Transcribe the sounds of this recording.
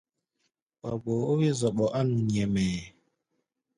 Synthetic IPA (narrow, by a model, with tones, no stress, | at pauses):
ɓa˨ɡ͡bo˨o˦wi˦zɔ˨ɓɔ˨ʔa˦nu˨ɲɛ˨mɛ˨